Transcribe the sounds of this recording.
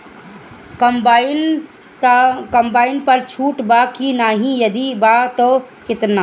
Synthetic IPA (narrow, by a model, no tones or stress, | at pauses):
kɐmbɪn | kɐmbaːɪnpɐɾt͡ʃʰuːʈbakinaːɦĩjɐd̪ibat̪oːkɪt̪naː